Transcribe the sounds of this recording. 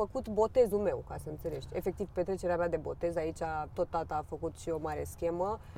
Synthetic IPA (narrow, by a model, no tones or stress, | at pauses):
fəkut̪bo̞t̪e̞zulme̞wkasəɨnse̞le̞ʃt̪ʲe̞̰fe̞k̚t̪ivpet̪ɾe̞t͡ʃe̞ɾeamad̪e̞bo̞̰t̪e̞zait͡ʃat̪o̞t̪ːat̪aːfəkut̪ʃio̞maɾeskʲe̞mə